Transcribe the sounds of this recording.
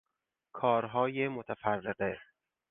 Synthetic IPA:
kʰɒːɾɦɒːjemot̪ʰæfærːeɢe

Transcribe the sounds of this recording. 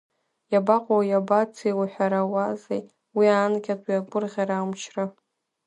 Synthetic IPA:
jabaqʷʼawajabat͡sʰiwaħʷᶣaɾawazḛj | wiankʲatʼwiaɡʷʼʊrʁʲaɾamʃʰra

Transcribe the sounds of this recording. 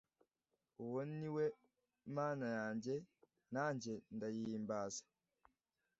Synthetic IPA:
uwonniwe | maːnajaːɲɟe̞ | naːɲɟe̞ndajiːmbaːzḁ

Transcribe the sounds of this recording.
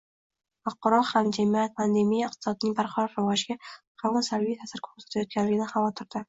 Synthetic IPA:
fɑqːɒɾɒhamd͡ʒamijat̪̚pʰand̪e̞mijaɪq̚t̪ʰɪ̥sɒd̪ɪnɪŋbaɾqʰɑɾɒt̪ɾɪvɒʒɪɡʲa | qalansaɾvijt̪ʰasɪɾkʰo̥ɾsḁt̪ʰajɒt̪̚kʲanlɪɡʲɪnɪχɑvɒt̪ʰɪɾd̪̥ɪ

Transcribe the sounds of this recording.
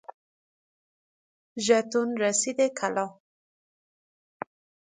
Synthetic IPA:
ʒat̪unɾasid̪ekʰalɑ

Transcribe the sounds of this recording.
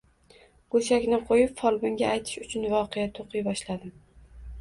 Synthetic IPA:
ɡ̥ɵʃakʲnɪqʰojɪpfɒlˠbʊŋɡʲaajt̪ʰɪ̥ʃʊt͡ʃʰʊnvɒqʰejat̪ʰoqɨjbɒʃlad̪ɪm

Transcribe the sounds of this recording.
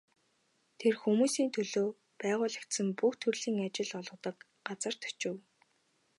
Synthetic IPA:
t̪ʰerxumuːsiːnt̪ʰɵɮoː | pæːʁʊːɮi̥kt̪sɘ̆mpuxt̪ʰɵrɮiːŋat͡ɕɪ̆ɮɔɮʁ̆ə̆t̪ə̆k | ɢat͡sə̆r̥t̪ʰɵ̥t͡ɕɪ̆w

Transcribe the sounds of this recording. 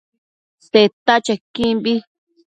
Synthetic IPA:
set̪at͡ʃakĩmbi

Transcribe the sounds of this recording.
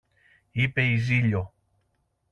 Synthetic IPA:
ipe̞iziʎo

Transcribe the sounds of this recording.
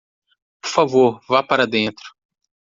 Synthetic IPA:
poɾfavoɾvapaɾɐd̪ẽnt̪ɾʊ̥

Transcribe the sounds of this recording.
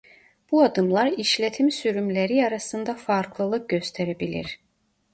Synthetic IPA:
b̥uɑd̪ɯmlˠɑɾiʃlʲɛt̪ʰimsyɾymlæɾiɑɾasɯnd̪ɑfɑɾklˠɯlˠɯk̚ɟø̞st̪ʰɛɾɛbilḭɾ̥

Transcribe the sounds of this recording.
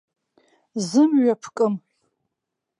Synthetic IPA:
zɨmɥapʰkʼɨm

